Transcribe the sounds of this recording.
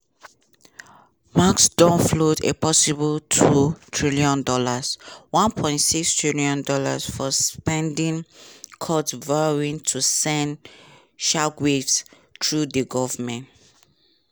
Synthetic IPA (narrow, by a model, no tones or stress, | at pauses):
maksdɔ̃nflotḛpɔsibəltʰutʰɹiliɔ̃ndɔlaswãnpʰɔ̃ɪ̃ntsikstʰɹiliɔ̃ndɔla̰sfɔspɛ̃ndĩnkʰɔtvaɹĩntʰusɛ̃n | ʃakwefs | tɹudəɡɔvmɛ̃nt